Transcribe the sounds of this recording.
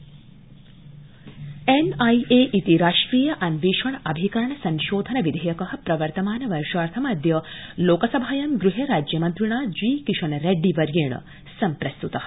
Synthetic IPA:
enɐjeːʔit̪iɾaːʂʈɾiːjɐʔɐnʋiːʃɐɳʔɐbʱikɐɾɐɳɐsɐŋʃoːd̪ʱɐnɐʋid̪ʱejɐkɐɦɐ̆pɾɐʋɐɾt̪ɐmaːnɐʋɐɾʃaːɾt̪ʰɐmaːd̪ʱjɐloːkɐsɐbʱaːjɐmɡɾuɦeɾaːd͡ʒjɐmɐnt̪ɾiɳaːd͡ʒʋiːkɾiʃɐnɐɾeɖːiʋɐɾjeːɳɐ̰ | sɐmpɾɐst̪ut̪ɐɦɐ̥

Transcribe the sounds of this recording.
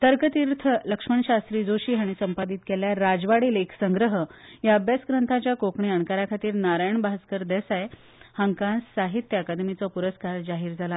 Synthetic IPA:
t̪əɾkət̪iɾt̪ʰələkʂməɳɕast̪ɾiːd͡zoɕiːɦaɽ̃isəmpad̪it̪keljaɾad͡zʋaɽiːleksəŋɡɾəɦəjaəbjasɡɾənt̪ʰat͡ɕjakokɳiəɳkaɾakʰat̪iːɾnaɾajəɳbʱaskəɾd̪ɛsaj | həŋkãnssaɦit̪jakad̪mit͡sɔpuɾəskaɾd͡ʑaɦiːɾd͡zʱala

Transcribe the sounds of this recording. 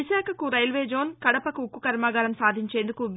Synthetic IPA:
iʃaːkʰɐkuɾɐjlʋeːd͡ʒo̞ːnkɐɽɐpɐkuːkːukɐɾmaːɡɐːɾɐmsaːd̪ʱiɲt͡ʃeːnd̪ukuʋ

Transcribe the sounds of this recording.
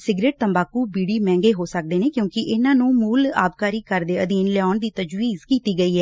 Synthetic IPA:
sɪɡɾeːʈ̚t̪əmbaːkuːbiːɽiːmɛ̃ːŋɡeːɦoːsək̚d̪eːneːkjõːkɪʔɪnãːnũːmuːla̰ːb̚kaːɾiːkəɾd̪eːəd̪iːnlɛaːnd̪iːt̪əd͡ʒwiːzkiːt̪iːɡəiːɦɛː

